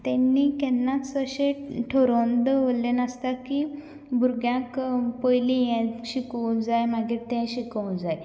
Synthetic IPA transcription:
t̪ɛnːiːkɛnːaəɕeʈʰoɾond̪ʋollenəst̪aki | bʱuɾɡjãkpəjlĩjɛ̃ɕikəwd͡zajmaɡiːɾt̪ɛ̃ɕikəw̃d͡zaj

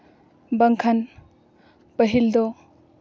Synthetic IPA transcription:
bɐŋkʰan | bɐɦild̪ɔ

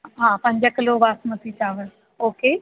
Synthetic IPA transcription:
ɦãːpə̃ɲd͡ʒəkɪloːʋaːsmət̪it͡ʃaːʋən | oːkeː

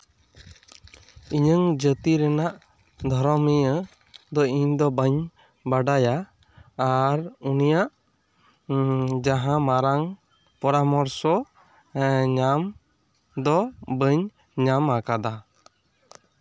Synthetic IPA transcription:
iɲəŋd͡ʒət̪iɾɛnaʔ | d̪ʱɔɾɔmijə | d̪ɔiɲd̪ɔbəɲ | baɖajaː | ɾunijaʔ | d͡ʒaɦãmaɾaŋ | pɔɾamɔɾsɔ | ɲam | d̪ɔbəɲ | ɲamakad̪a

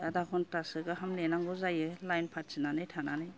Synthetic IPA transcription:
adakʰɔntasɯɡɯɦamlenaŋɡuzajɯlajnpʰat̚sinanɯjtʰananɯj

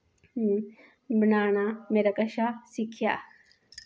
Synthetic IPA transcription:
bʱnaːnameːɾakɐʃasikʰja̰

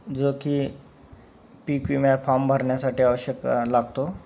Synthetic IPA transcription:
d͡zokiː | pikʋimafʰambʱəɾɳjasaʈiːaʋəɕjəkalaɡ̚t̪o

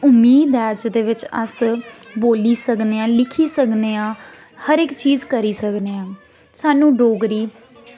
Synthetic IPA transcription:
ʊmiːd̪ɛːd͡ʒɪd̪eːʋɪt͡ʃə̰sboːliːsəkneːãːlɪkʰiːsəkneːãː | həɾɪkt͡ʃiːzkəɾiːsəkneːãː | saːnũːɖoːɡɾiː

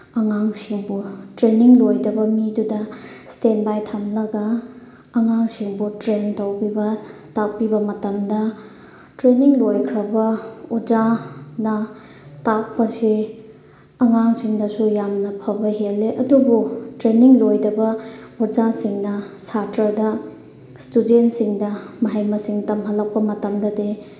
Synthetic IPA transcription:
ɐŋaŋsiŋbutɾeniŋlojdɐbɐmidudɐstenbajtʰamlɐɡɐː | ŋaŋsiŋbutɾentowpibɐtak̚pibɐmɐtɐmdɐ | tɾeniŋlojkʰɾɐbɐud͡ʒanɐ | tak̚pɐsi | ɐŋaŋsiŋdɐsujamnɐpʰɐbɐɦelːeʔɐdubutɾeniŋlojdɐbɐud͡ʒasiŋnɐ | satɾɐdɐ | studentsiŋdɐmɐɦɐjmɐsiŋtɐmɦɐlɐk̚pɐmɐtɐmdɐde

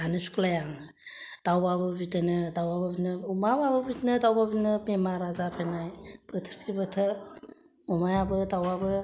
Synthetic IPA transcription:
anɯsu̥kulajaŋ | d̥awbabɯbitenɯdawbabɯbinɯumabaβɯbitnɯdawbabinɯbemaɾazaɾpʰenajb̥ətʰəɾtibətʰɯɾ | umajabɯdawbabɯ

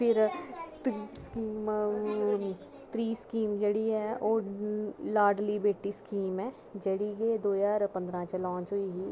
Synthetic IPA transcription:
pʰɪɾt̪iskiːm | t̪ɾiːskiːmd͡ʒɐɽiɦɛːoːɾlaːɾɖlibeːʈiskiːmɦɛ̃ː | d͡ʒɐɽiɡeːd̪oːjaːɾpɐ̃nd̪ɾãt͡ʃelɔ̃ːɲt͡ʃɦoiɦiː

